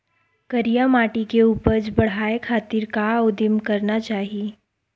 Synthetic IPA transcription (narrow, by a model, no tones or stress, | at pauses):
kɐɾijamaːʈikeuːpəɾd͡ʒbɐɽ̤ɦaːekʰaːt̪iɾkaʊd̪əmkɐɾnat͡ʃaːɦie